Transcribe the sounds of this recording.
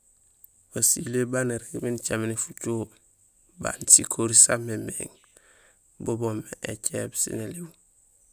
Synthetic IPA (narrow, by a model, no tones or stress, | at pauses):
wasilebaneɾekbint͡ʃaminifut͡ʃo | ba̰nsikʰoɾisamemḛŋ | bobomeʔet͡ʃebsḭneliwu